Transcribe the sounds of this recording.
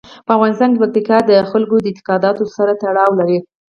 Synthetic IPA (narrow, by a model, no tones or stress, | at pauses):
pəafɣɑnɪst̪ɑnk̬epak̚t̪ikɑd̪əxalɡod̪əɪnt̪ɪ̥qɑd̪ɑt̪osaɾat̪aɽɑwlaɾi